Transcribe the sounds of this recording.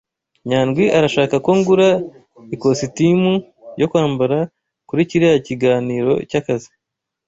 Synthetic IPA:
ɲaːnɡwiʔaɾaʃaːkakoŋɡuɾa | iko̞sitimu | jo̞kwaːmbaɾa | kuɾiciɾejaciɡaːniːɾo̞̰cakazi

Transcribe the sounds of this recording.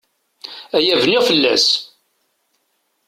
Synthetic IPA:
æjævniʁfəlːæ̰s

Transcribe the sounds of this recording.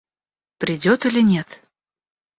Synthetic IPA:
pɾʲɪdʲot̪ɨlʲɪnʲet̪

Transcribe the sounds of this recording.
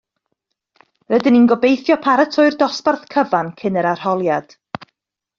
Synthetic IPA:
rədɪninɡɔbejθjɔpʰaɾətʰʊɨrdɔsparθkʰəvankʰɪnəɾar̥hɔlˠjad̥

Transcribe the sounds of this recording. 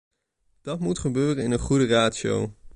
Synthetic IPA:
d̥ɑtmutχəbøːrənɪnənχudəraːtʃo̰w

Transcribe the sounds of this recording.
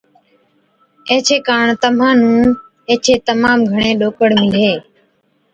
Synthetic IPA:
ẽːt͡ʃʰeːkaːɳt̪əm̤ãːnũː | eːt͡ʃʰeːt̪əmaːmɡʱəɳẽːɗoːkəɽmɪleː

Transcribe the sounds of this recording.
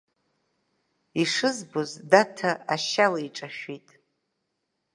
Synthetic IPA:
iʂɨzbozdatʰaaʃalaiʈ͡ʂʼaʃᶣitʼ

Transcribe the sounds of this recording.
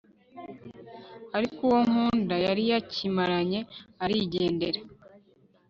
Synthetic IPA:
aɾikuwoŋ̥huːndajaɾijacimaɾaɲe̞aɾiɟeːnde̞ɾa

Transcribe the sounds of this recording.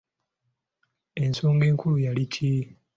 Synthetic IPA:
e̞nsoːŋɡeːŋkulujalicʰi

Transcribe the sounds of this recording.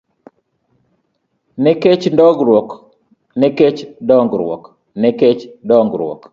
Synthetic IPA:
nɛket͡ʃndɔɡɾwɔk | nɛket͡ʃdɔŋɡɾwɔ̰k | nɛket͡ʃdɔŋɡɾwɔ̰k

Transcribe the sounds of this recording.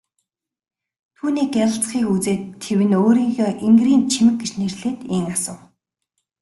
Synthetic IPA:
t̪ʰuːniːkʲæɾə̆ɬt͡sχiːkut͡seːt̪ʰːewɘ̆noːɾiːŋxʲeːʔeŋɡriːnt͡ɕʰimɘ̆k̚ɡet͡ɕnerɮeːt̪eŋasə̆w

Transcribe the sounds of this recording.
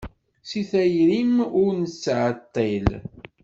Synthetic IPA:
siθæjɾimʊɾnət͡sːʕət̪ˤːel

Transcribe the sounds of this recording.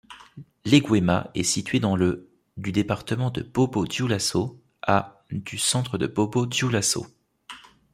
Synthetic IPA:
leɡwemaɛsit̪ɥed̪ɑ̃lə | d̪yd̪epaʁt̪əmɑ̃d̪əb̥obod̪julaso | a | d̪̥ysɑ̃t̪χəd̪əbobod̪julaso̰

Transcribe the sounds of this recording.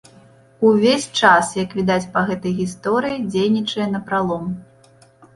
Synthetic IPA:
uvʲesʲt͡ʂasjɐkvʲid̪at͡sʲpɐɣɛt̪ɐjɣʲist̪ɔɾɨjid͡zʲejnʲit͡ʂɐjɛnɐpɾalˠɔm

